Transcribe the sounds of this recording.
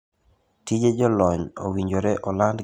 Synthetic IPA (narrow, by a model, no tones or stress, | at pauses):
tid͡ʒed͡ʒɔlɔɲo̰wiɲd͡ʒoɾeʔɔland